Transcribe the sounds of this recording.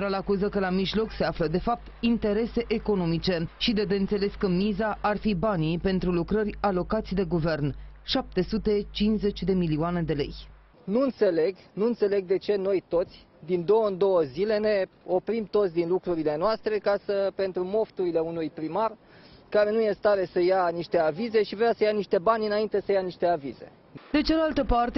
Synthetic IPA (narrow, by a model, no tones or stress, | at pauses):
ɾalakuzəkəlamiʒlo̞kse̞afləd̪e̞fap̚t̪int̪e̞ɾe̞se̞ʔeko̞no̞mit͡ʃe̞ʃid̪ed̪eɨnt̪se̞le̞skəmizaʔarfibanipe̞nt̪ɾulukɾərʲalo̞kat̪sʲd̪e̞ɡuve̞rnʃap̚t̪e̞sut̪e̞t͡ʃinze̞t͡ʃʲd̪e̞miliuane̞d̪e̞le̞̰j | nuɨnt̪se̞le̞ɡnuɨnt̪se̞le̞ɡ̚d̪e̞t͡ʃe̞no̞jt̪o̞t̪sʲ | d̪ind̪o̞wəɨnd̪o̞wəzile̞ne̞o̞pɾimt̪ot̪sʲd̪inlukɾuɾile̞noast̪ɾe̞kasəpe̞nt̪ɾumo̞ft̪uɾile̞unujpɾimar | kaɾe̞nuje̞st̪aɾe̞səjaniʃt̪e̞avize̞ʃivɾeasəjaniʃt̪e̞banʲɨnaint̪e̞səjaniʃt̪e̞avize̞̰ | d̪e̞t͡ʃalalt̪əpart̪e